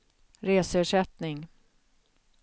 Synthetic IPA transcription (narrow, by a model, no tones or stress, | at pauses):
ɾeːsəœːʂɛt̪nɪŋ